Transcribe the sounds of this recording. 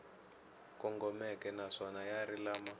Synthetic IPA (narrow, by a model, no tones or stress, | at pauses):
kɔŋɡɔmɛkɛnaʂɔnajaɾilaːma